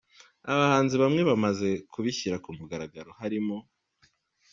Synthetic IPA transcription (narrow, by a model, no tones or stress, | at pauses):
aβahaːnziβamŋe̞βamaze̞kʰuβiçiɾakumuɡaɾaɡaɾo̞haɾimo